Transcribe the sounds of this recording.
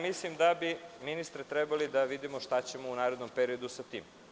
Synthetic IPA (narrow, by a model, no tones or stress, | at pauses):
mislimd̪abiminist̪ɾet̪ɾebalid̪aʋid̪imoʃt̪at͡ɕemounaːɾed̪nompeɾio̞d̪usat̪iːm